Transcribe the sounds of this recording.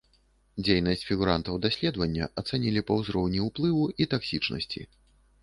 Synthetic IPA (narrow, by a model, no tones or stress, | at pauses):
d͡zʲejnɐsʲt͡sʲfʲiɣuɾant̪ɐwd̪asʲlʲɛd̪vɐnʲːɐ̰ʔɐt̪sanʲilʲipɐwzɾɔwnʲiuplˠɨvuit̪aksʲit͡ʂnɐ̰sʲt͡sʲḭ